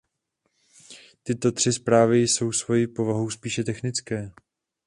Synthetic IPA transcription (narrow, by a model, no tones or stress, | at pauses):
t̪ɪt̪o̞t̪r̥ɪspɾaːvɪjso̞wsvo̞jɪpo̞vaɦuwspiːʃɛt̪ɛxnɪt͡skɛː